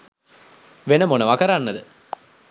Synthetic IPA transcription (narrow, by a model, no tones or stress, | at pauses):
ʋenəmonəʋakəɾanːəd̪ə